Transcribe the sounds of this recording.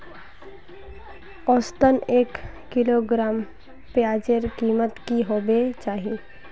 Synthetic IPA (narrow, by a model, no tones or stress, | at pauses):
ɔːst̪əneːkː | ɪloɡɾaːm | peaːd͡ʒeɾkiːmət̪kiɦoːbet͡ʃaːɦie